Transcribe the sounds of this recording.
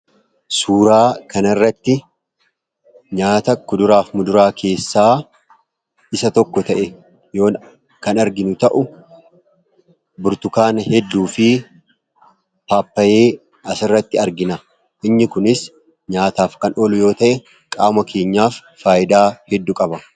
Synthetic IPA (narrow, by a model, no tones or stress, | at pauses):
suːɾaːkɐnɪrːɐt̪ːɪ | ɲaːt̪ɐkʊd̪ʊɾaːfmʊd̪ʊɾaːkʰe̞ːsːaː | ɪsɐt̪ɔkːɔt̪ɐʔɛ | jo̞ː | kɐnɐɾɡɪnʊt̪ɐʔʊ | bʊɾt̪ʊkaːnhɛd̪ːuːfɪ | paːpːɐjeː | ɐsɪrːɐt̪ːɪɐɾɡɪnɐ | ʔɪɲːɪkʊnɪs | ɲaːt̪aːfkɐnʔolʊjo̞ːt̪ɐʔɛ | kʼaːmɐkʰe̞ːɲːaːfːaːjɪd̪aːhɛd̪ːʊkʼɐbɐ